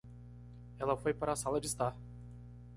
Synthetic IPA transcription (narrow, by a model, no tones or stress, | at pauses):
ɛlɐfojpaɾaːsalɐd͡ʒɪst̪a